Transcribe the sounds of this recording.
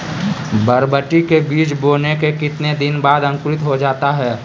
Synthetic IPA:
bəɾbəʈikebiːt͡ʃboːnekekɪt̪ned̪ɪnbaːd̪ɐ̃ŋkʊɾɪt̪ɦod͡ʒaːt̪aɦɛː

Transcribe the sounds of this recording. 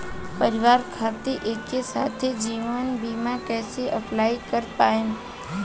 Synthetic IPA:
pəɾɪʋaːɾkʰaːt̪eʔekːesat̪ʰed͡ʒiːʋənbimãkɛːseʔəpʰlaːikəɾpaːen

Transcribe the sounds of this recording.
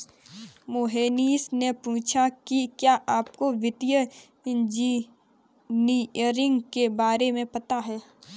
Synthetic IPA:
moɦeːniːsnepuːt͡ʃʰakikjaːʔaːpkoʋɪt̪jə | ɪ̃nd͡ʒi | niəɾɪ̃ŋɡkebaːɾemẽpɐt̪aɦɛː

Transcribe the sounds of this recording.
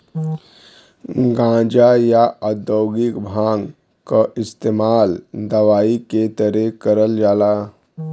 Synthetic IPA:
ɡãd͡ʒajaəd̪əwɡikbʱãɡ | kaʔɪst̪eːmaːld̪əʋaːiket̪əɾekəɾəld͡ʒaːla

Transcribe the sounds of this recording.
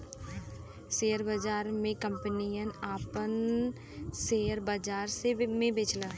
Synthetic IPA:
seːəɾbəd͡ʒaːɾmẽkə̃mpnijənaːpən | seːəɾbəd͡ʒaːɾsemẽbeːt͡ʃləː

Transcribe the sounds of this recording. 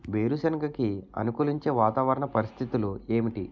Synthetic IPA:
ʋe̞ːɾusɐnɡɐkiɐ̰nukuːliɲt͡ʃe̞ːʋaːt̪aːʋɐɾɐɳɐpɐɾist̪ʰit̪ulue̞ːmiʈi

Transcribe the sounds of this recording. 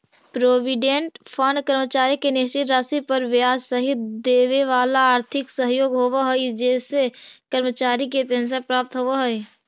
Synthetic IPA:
pɾoːʋɪɖẽɳʈpʰənkəɾmət͡ʃaːɾikenɪst͡ʃɪt̪ɾaːsipəɾʋaːd͡ʒsəɦɪt̪d̪eːʋeʋaːlaaːɾt̪ʰɪksəɦjoːɡɦoːʋaɦoid͡ʒɛːsekəɾmət͡ʃaːɾikepɛ̃ːns̬epɾaːp̚t̪ɦoaɦoe

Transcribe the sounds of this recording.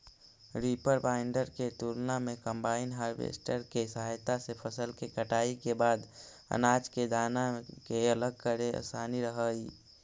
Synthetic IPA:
ɾipəɾbaɪɳɖəɾket̪uɾnamekəmbaɪnɦaɾbḛsʈəɾkesɦajt̪asepʰəsəlkekəʈaikebaːd̪ | ə̰nad͡ʒked̪anakeələɡ̚kəɾeə̰saniɾəɦə

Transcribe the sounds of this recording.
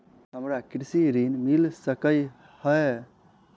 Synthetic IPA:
ɦəmɾakiɾsiɾinmilsəkəj | həe

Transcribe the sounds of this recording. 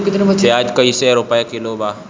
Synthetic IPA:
kɪt̪nebɐt͡ʃeaːd͡ʒkɐiseɾoːpajakilobaː

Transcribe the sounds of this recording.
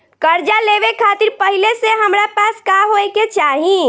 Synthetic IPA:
kəɾd͡ʒaleβekʰat̪iɾpəɦileseɦəmɾapaskaɦoeket͡ʃaɦi

